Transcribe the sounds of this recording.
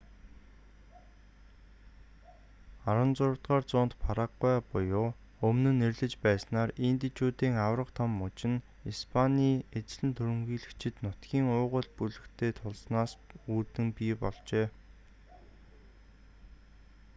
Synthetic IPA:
aɾwə̆nt͡sʊɾ̆t̪ɢaːrt͡sʊːnt̪pʰaɾaɡæːpʊjʊː | ɵmnɘ̆nerɮɘ̆t͡ɕpæːsnaːrint̪et͡ɕuːt̪iːŋawrə̆qt̪ʰɔmːʊt͡ɕɪ̆n | ispʰanʲiːet͡sɮɘ̆nt̪ʰɵɾɵ̆mxiːɮɘ̆kt͡ɕʰɪ̆t̪nʊt̪ɡ̥ʲiːŋʊːʁə̆ɮpuɮɘ̆kt̪ʰeːt̪ʰʊɮsnaːsuːt̪ɘ̆ŋpiːpɔɮt͡ɕeː

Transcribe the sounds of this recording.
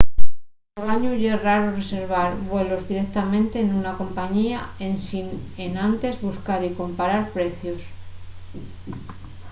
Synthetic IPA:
aβaɲuʝeraɾore̞se̞ɾβ̞aɾβwe̞lo̞zðiɾe̞k̚t̪amẽ̞nt̪e̞ːnunako̞mpaɲiaensinenant̪e̞zβuskaɾiko̞mpaɾaɾpɾe̞θjo̞s

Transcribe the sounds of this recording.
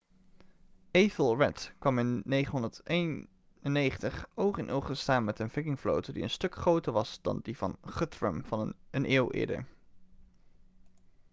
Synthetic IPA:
eθəlˠɹɛtkʋɑmɪnːejχənɦɔndəɹtejn | ənːejχəntəχowkɪnʔowχtəstaːnmɛtənvɪkɪŋflo̰wtədḭənstɵkχrowtəɹʋɑsd̥ɑ̰ndivɑ̰nχətɹə̰mvɑnənʔeːwˠʔɪ̰ːɹdə̰ɹ

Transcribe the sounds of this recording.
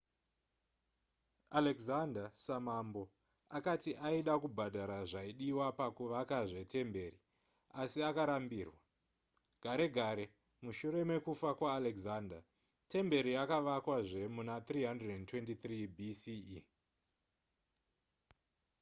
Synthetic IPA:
alekzandasamambo̞ | akatiʔaiɗakubʱadʱaɾaʐaiɗiwapakuʋakaʐe̞te̞mbe̞ri | asiakaɾambiːrwa | ɡ̥ʱaɾe̞ɡʱaɾe̞ | muʃuɾe̞me̞kufakwaːlekzaːnda | te̞mbe̞ɾiakaʋakwaʐe̞munat̪riːɦandredentwe̞ntit̪ribʱisi

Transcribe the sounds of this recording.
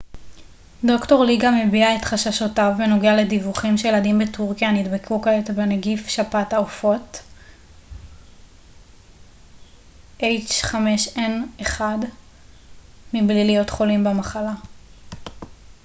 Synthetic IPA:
do̞kto̞ʁliɡame̞biaetχaʃaʃotavːeno̞ɡeale̞divuχimʃejeladimbetuʁkijanidbekʰukaetbeneɡifʃapataofo̞t | ʔejt͡ʃχameʃeneχad | miblilijo̞tχo̞limbemaχala

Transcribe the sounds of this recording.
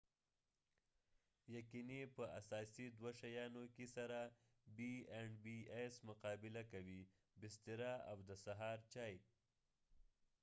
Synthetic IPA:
jaqinipəasɑsid̪waʃajɑnokesaɾa | bieɳɖbiesmʊqɑbɪlakawi | bɪst̪iɾaa̰wd̪əsaɦɑɾt͡ʃɑj

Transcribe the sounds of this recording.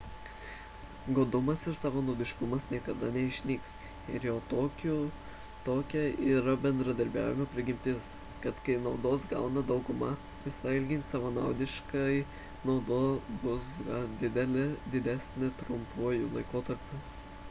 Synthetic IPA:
ɡoːd̪ʊmɐsɪɾsɑːʋoːnoːd̪ʲɪʃkʊmɐsnʲiɛkɐd̪ɐnʲɛɪʃʲnʲiːks | ɪɾjoːt̪oːkʲʊ | t̪oːkʲɛiːɾɐbʲɛnd̪ɾɐd̪ɐɾʲbʲæ̰ːʋʲɪmɐpʲɾʲɪɡʲɪmʲt̪ʲɪs | kɐt̪kɐɪnɒʊd̪oːsɡɑ̰ʊnɐd̪ɒʊɡʊmɐ | ʋʲɪsɐɪɪlʲɡʲɪnsɑʋɐːnɑʊd̪ʲɪʃkɐɪ | nɒʊd̪oːbʊsɡɐd̪ʲɪd̪ʲɛlʲɪd̪ʲɪd̪ʲæsʲnʲɪt̪ɾʊmpuːjulˠɐɪkoːt̪ɐɾʲpʲuː

